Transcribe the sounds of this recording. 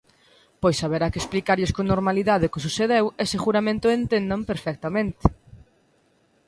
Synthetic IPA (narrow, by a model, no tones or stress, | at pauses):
pojsːaβeɾakesplikaɾʎɪskonoɾmaliðaðɪkɪs̬uθeðewesɪχuɾamẽnt̪ʊent̪end̪ampeɾfɛk̚t̪amẽnt̪ɪ̥